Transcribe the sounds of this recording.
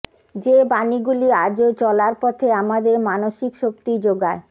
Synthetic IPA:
d͡ʑebaniɡuliad͡ʑot͡ɕɔlaɾpɔt̪ʰeamad̪eɾmanoʃikʃok̚t̪id͡ʑoɡae

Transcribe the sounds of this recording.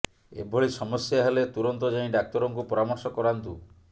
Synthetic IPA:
ḛbʱoɭisɔmɔsjaɦelet̪uɾɔnt̪ɔd͡ʒaĩɖak̚t̪ɔɾɔŋkupɔɾamɔɾsɔkɔɾant̪u

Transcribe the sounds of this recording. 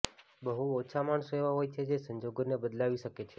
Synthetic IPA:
bəɦuot͡ʃʰamaɳsoeʋaɦojt͡ʃʰed͡ʒesəɲd͡ʒoɡonebəd̪laʋiʃəket͡ʃʰe

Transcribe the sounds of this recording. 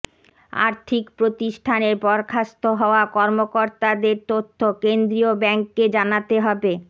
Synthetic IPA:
a̰ɾt̪ʰikpɾot̪iʃʈʰaneɾpɔɾkʰast̪oɦɔoakɔɾmokoɾt̪ad̪eɾt̪ot̪ʰːokend̪ɾiobɛŋkːed͡ʑanat̪eɦɔbe

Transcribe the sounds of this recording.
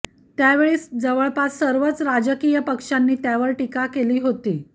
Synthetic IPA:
t̪jaʋeɭiːsd͡zəʋəɭpat̪səɾʋət͡sɾad͡ʑəkijəpəkʂanːiːt̪jaʋəɾʈikakeliːɦot̪iː

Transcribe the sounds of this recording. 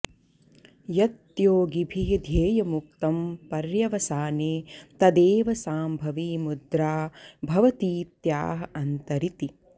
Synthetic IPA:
jɐt̪joːɡibʱiɦɐd̪ʱeːjɐmuk̚t̪ɐmpɐɾjɐʋɐsaːneːt̪ɐd̪eːʋɐsaːmbʱɐʋiːmud̪ɾaːbʱɐʋɐt̪iːt̪jaːɦɐ̆ɐnt̪ɐɾit̪i

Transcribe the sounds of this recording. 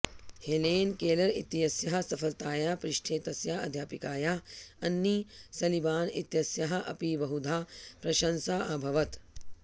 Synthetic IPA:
heleːnkeːlɐɾit̪ijɐsjɐɦɐ̆sɐfʰɐlt̪aːjaːpɾɪʃʈʰeːt̪ɐsjaːɐ̰d̪ʱjaːpikaːjaːɐnːisɐlibaːnḭt̪jɐsjɐɦɐ̆ʔɐ̰piːbɐɦud̪ʱaːpɾɐʃɐnsaːʔɐbʱɐʋɐt̪

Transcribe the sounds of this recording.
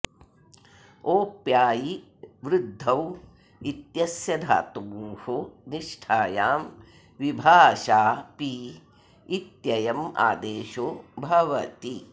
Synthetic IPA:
oːpjaːji | ʋɾud̪ʱːɐw | it̪jɐsjɐd̪ʱa̰ːt̪ubuːhoniʂʈʰaːjaːm | ʋibʱaːʃaːpi | it̪jɐjɐma̰ːd̪eːʃoːbʱɐʋɐt̪i

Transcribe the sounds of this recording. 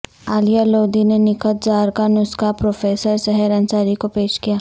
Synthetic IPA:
aːlijaloːd̪inenɪkəld͡ʒaːɾkanʊskapɾoːfeːsəɾsɛɦɛɾɐ̃nt͡ʃaːɾikopeːʃkijaː

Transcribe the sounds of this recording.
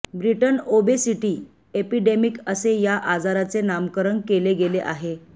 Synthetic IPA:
bɾiʈənobesiʈiː | epiɖemikəsejaʔad͡zaɾat͡senamkəɾəɳkeleɡeleʔa̰ɦe

